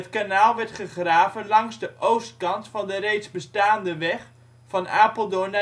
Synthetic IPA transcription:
ətkanaːlˠʋɛrtχəχraːvənlɑŋzdəʔowst̚kɑntfɑndərejtzbəstaːndəʋɛχ | fɑnaːpəlˠdʊɹna

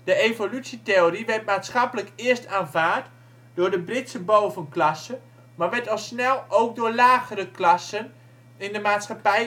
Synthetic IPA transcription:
d̥əevolysiteoriʋɛrtmaːtsχɑpələkɪəstaːnvaːrt | d̥ʊːɹdəbrɪtsəbowvənklɑsə | maːɹʋɛɹtɑlˠsnɛlˠowk̚dʊːɹlaːɣərəklɑsən | ɪndəmaːtsχapɛj

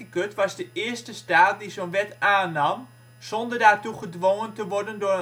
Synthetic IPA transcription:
əkøtʋɑzdəʔɪəstəstaːt̚dizonʋɛtaːnɑm | z̥ɔndərdaːrtuχədʋoŋəntəʋɔrdəndʊːə

